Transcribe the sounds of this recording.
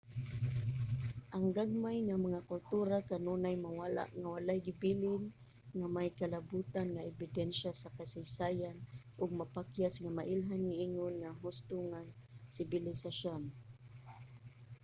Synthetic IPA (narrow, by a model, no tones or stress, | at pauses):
ʔaŋɡaɡ̚majŋamaŋakʊlt̪uɾakanunajmawala̰ʔŋawalajɡɪbilɪn | ŋamajkalabut̪anŋaɛbɪdɛnʃasakasajsajanʔʊɡ̚mapakjasŋamaʔɪlɦanŋɪʔiŋʊnŋaɦʊst̪ʊŋasɪbɪlɪsaʃon